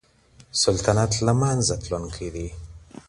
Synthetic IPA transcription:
sult̪anat̪lamanzat̪lonkʰid̪i

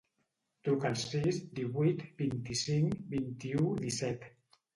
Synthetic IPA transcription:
t̪ɾukalˠsːizd̪iβujt̪bint̪isiŋbint̪iud̪isɛt̪

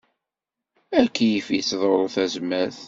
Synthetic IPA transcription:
ækːijifit͡sːðˤoɾˤθæzmæθ

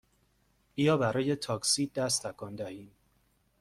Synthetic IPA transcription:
ʔiːjɒːbæɾɒːje̞t̪ʰɒːksiːd̪æst̪ʰækʰɒːnd̪æhiːm

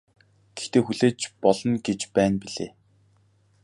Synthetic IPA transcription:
ɡ̥e̥xt̪eːxuɮeːt͡ɕpɔɮɞ̆nɡet͡ɕpæːnpiɮeː

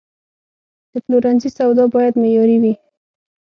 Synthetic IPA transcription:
d̪̥əpluɾanzisawd̪ɑbɑjad̪mejɑɾiwi

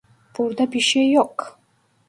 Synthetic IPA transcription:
b̥uɾd̪abiʃɛjɔkʰ

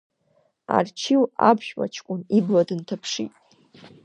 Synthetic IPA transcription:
a̰rt͡ʃʰiwabʒᶣwa̰t͡ʃʰkʷʼʊnibladɨntʰapʰʂḭtʼ

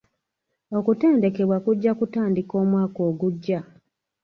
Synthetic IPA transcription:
o̞kute̞ːnde̞ke̞βwakuɟːakutaːndiko̞ːmwaːko̞ːɡuɟːa

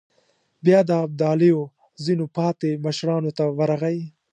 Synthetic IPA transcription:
bjɑd̪əab̚d̪ɑːlejo | zinopɑːt̪eməʃɾɑnot̪awaɾaɣaj

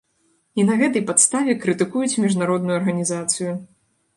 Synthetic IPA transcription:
inɐɣɛt̪̬ɐjpat̪st̪avʲɛkɾɨt̪ɨkujut͡sʲmʲiʐnaɾɔd̪nujuɐrɣɐnʲizat̪sɨju

